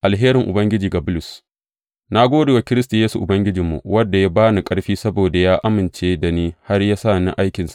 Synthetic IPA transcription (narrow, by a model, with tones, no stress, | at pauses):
ʔa˨lɦeː˦ɾɪ˨ŋʔʊ˨bɐ˦ŋɡʲɪ˦d͡ʒiː˨ɡa˨bʊ˦lʊ˨s | na˦ɡʷoː˦deː˨wa˨kʲɪ˦ɾɪ˦s̬ta˨jeː˦su˨ʔʊ˨bɐ˦ŋɡʲɪ˦d͡ʒɪ˨mːṵ˨wɐ˦dːa˨ja˦baː˦nu˨kʼɐ˦ɽɸiː˦sɐ˦boː˨da˨jaː˦ʔa˦mɪ˨nt͡ʃeː˦da˨niː˦ha˦rjaː˦sa˦˨nɪ˦ʔa˦jkʲɪ˨nsḁ˦˨ʔ